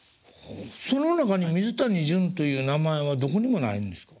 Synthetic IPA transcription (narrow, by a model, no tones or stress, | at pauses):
oso̞no̞nakaɲ̟imʲizɨt̪aɲ̟iʑɯ̃nt̪o̞jɯ̟ːnamae̞βad̪o̞ko̞ɲ̟imo̞na̰ĩnd̪e̞sɨ̥kḁ